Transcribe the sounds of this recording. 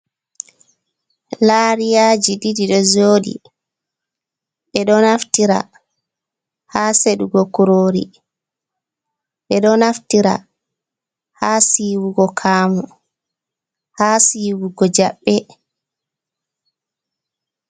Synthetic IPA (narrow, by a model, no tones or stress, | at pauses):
laːɾijaːd͡ʒididiɗɔzoːɗḭ | ɓɛɗɔnaftiɾa̰ | haːseɗuɡɔkuɾoːɾḭ | ɓɛɗɔnaftiɾa̰ | haːsiːwuɡɔkʰaːmu | haːsiːwuɡɔd͡ʒaɓːɛ